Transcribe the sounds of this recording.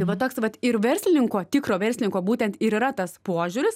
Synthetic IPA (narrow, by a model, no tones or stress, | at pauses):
ɪʋɐt̪oːksʋɐt̪ɪɾʋʲɛsʲlʲɪnʲɪŋkoːt̪ʲɪkɾoːʋʲɛrʲsʲlʲɪnʲɪŋkoːbuːt̪ʲɛnt̪iɾiːrɐt̪ɐspoːʒʲuːɾʲɪs